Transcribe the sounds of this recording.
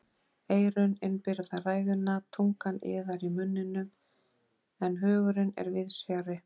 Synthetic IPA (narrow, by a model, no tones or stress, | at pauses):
eːjɾʏnɪnpɪɾðaraːjðʏnːat̪ʰuŋkanɪ̰ːðaɾimʏnːɪnːʏm | ɛnɦœːɣʏɾɪnɛ̰ɾvɪðsjaːɾɪ